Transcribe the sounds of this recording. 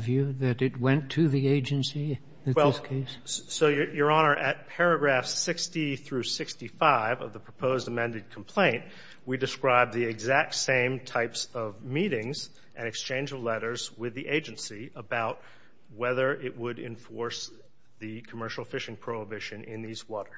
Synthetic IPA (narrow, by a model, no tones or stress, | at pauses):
vjʉðɨɾɨt̚wɛ̃ntʰɨðieɪd͡ʒɨ̃nsi | ɨwɛɪskʰeɪssoʊjjə˞ɑñə˞ʔɨt̚pʰɛɹɨɡɹæfsɪkstiθɹʉsɪkstifaɪvʌ̰vðəpʰɹ̥əpʰoʊzdəmɛ̃ndɨd̚kʰm̩pʰl̥ẽɪ̃nʔ̚ | widɨskɹaɪb̚ðiɨɡzæk̚tsẽɪ̃mtʰaɪpsʌvmiɾɪ̃ŋz | ʔɨ̃ñɨkst͡ʃʰẽɪ̃nd͡ʒʌvlɛɾə˞zwɪðiʔeɪd͡ʒɨ̃nsiəbaʊt̚ | wɛðə˞ʔɪʔ̚wəɾɪ̰̃ɱfɔɹs | ðɨkʰəmɜ˞ʃl̩ˠfɪʃɪ̃ŋpʰɹ̥oʊəbɪʃɨ̃nʔɪ̃nðizwɔɾə̥˞